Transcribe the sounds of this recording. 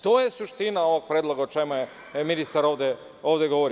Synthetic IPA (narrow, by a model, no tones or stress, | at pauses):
t̪oːjesuʃt̪inao̞ʋoɡ̚pɾʲeːd̪lˠoɡaot͡ʃemoje | minist̪aɾo̞ʋd̪e | oːʋd̪eɡoʋoɾi